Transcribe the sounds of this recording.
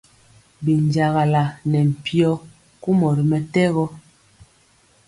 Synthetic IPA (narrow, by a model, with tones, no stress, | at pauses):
bi˨nd͡ʒa˨ɣa˨la˨nɛ˨m̩˨pjɔ˦ | ku˦mɔ˨ɾi˨mɛ˦tɛ˦ɣɔ˦